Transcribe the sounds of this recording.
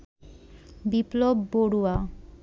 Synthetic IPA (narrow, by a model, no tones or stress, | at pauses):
biplobːoɽua